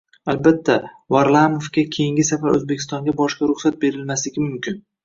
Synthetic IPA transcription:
albat̪ʰːa | vaɾlˠamofkʲakʲʰejɪŋɡʲɪsafaɾɵ̰zbekʲʰɪ̥st̪ɒŋɡʲabɒʃkʲaɾʊχsat̪̚be̞ɾɪlmaslɪɡʲɪmʊmkʲɪn

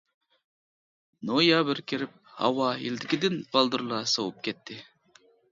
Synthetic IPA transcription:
nojɑbɪɾkʲʰiɾɪp̚hɑ̰wɑḭld̪ɪkʲid̪ɪnb̥ɑlˠd̪uɾlˠɑsowup̚kʲʰɛt̪ʰːɪ

